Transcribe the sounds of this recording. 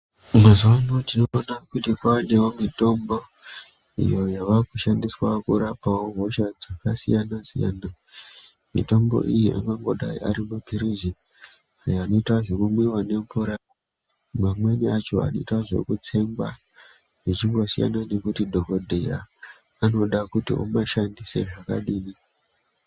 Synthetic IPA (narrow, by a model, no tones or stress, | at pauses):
mazuwano̞tinoːnakutikwanewomito̞mbo̞ | ḭjo̞jaʋakuʃandiswakuɾapawoɦo̞ʃad͡zakasijanasḭja̰na | mḭto̞mbo̞̰ʔijiʔa̰ŋɡaŋɡo̞ɗa̰ḭa̰ɾimupiɾizi | ajoːno̞itwaʐe̞kumwiwane̞ɱvuɾa | mamwe̞niat͡ʃo̞̰a̰noitwaʐe̞̰kut͡se̞mba̰ | ʐit͡ʃiŋɡo̞sija̰nane̞kutidʱoko̞dʱeja̰ː | no̞ɗakutḭʔo̰maʃandise̞ʐaka̰ɗiːni